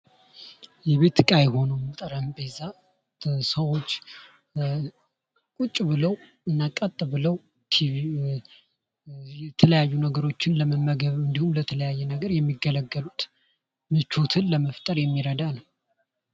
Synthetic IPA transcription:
jɛβe̞t̪ʰɨkʼajɛho̞numɨt̪ʼəɾəmbeza | səwo̞t͡ʃː | kʼut͡ʃʼːbɨləw | ɨnːakʼːat̪ʼːɨbɨləw | t̪ʰi | ɛt̪ʰələjajːunəɡəɾo̞t͡ʃːɪnləməmːəɡəβɨnd̪ihumlət̪ʰələjajːɛnəɡəɾjɛmːiɡələɡːəlut̪ | mɨt͡ʃo̞t̪ʰɨnləməft̪ʼəɾjɛmːiɾəd̪anəw

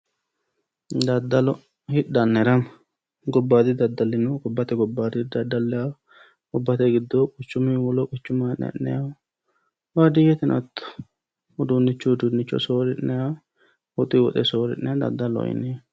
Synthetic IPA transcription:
d̪ɐd̪ːɐlɔ | hɪᶑɐnːɛɾɐm | ɡɔbːaːd̪ɪd̪ɐd̪ːɐlːɪnʊɡɔbːɐt̪ɛɡɔbːaːd̪ɪd̪ɐd̪ːɐlːɛja | ɡ̥ɔbːɐt̪ɛɡɪd̪ːokʼʊt͡ʃːʊmɪwɔlɔkʼʊt͡ʃːʊmɐnːɛ̰nːɛ̰ja | wad̪ɪjɛt̪ɪnʔɐt̪ːʊ̥ | ʊd̪unːɪt͡ʃːud̪unːɪt͡ʃːɔ̰soːɾɪnːɛja | wɔt̪ʼɪwɔ̰t̪ʼɛsoːɾɪ̰nːɛjad̪ɐ̰d̪ːɐlɔ̰jɪ̰nɛ

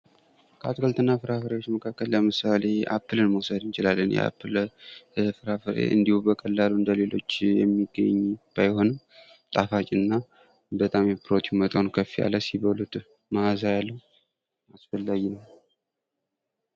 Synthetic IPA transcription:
kʰat̪kʰəlt̪ɨnːafɨɾafɨɾewo̞t͡ʃːməkʰakːəlːəmɨsale̞ʔa̰pːɨlɨnməwsəd̪ɨnt͡ʃɪlalːənjɛ̰a̰pːɨl | fɨɾafɨɾḛʔɨ̰nd̪ihubəkʼəlːaluɨnd̪əle̞lo̞̰t͡ʃːjɛ̰mːiɡːə̰ɲːb̥ajho̞nɨm | t̪ʼafat͡ʃʼɪnːa | bət̪ʼamjɛpʰɾo̞t̪ʰiumət̪ʼawnkʰəfːija̰lːəsiβəlut̪ | mazajalːəu | asfəlːaɡinəw

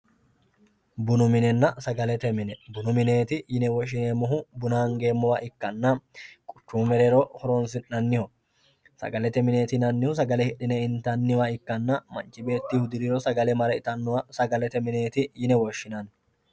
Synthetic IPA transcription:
bʊnʊmɪnɛnːɐsɐɡɐlɛt̪ɛmɪnɛbʊnʊmɪne̞ːt̪ɪjɪnɛwɔʃɪneːmʊɦʊbʊnaːŋɡe̞ːmːɔwɐʔɪkːɐnːɐkʼʊ̥t͡ʃːuːmɛɾɛɾɔhɔɾɔnsɪnɐnːɪhɔ | sɐ̰ɡɐlɛt̪ɛmɪneːt̪ɪnɐnːɪhʊs̬ɐɡɐlɛhɪɗːɪnɛɪnt̪ɐnːɪwɐɪkːɐnːɐmɐ̰nt͡ʃːɪbe̞ːt̪ːihʊd̪ɪɾɪɾɔsɐɡɐlɛmɐɾɐɪt̪ɐnːʊwɐsɐɡɐlɛt̪ɛmɪne̞ːt̪ɪjɪnɛwɔʃːɪnɐn

